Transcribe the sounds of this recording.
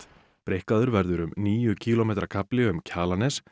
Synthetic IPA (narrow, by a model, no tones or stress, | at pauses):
pɾehkaðʏɾvɛɾðʏɾʏmniːjʏcʰiːlomejt̪ɾakʰaplɪʏmcʰaːlanɛs